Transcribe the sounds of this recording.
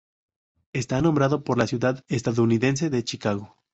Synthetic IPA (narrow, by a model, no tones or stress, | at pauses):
e̞st̪anõmbɾaðo̞po̞ɾlasjuðaðest̪aðouniðe̞ns̬e̞ðe̞t͡ʃikaɣo̞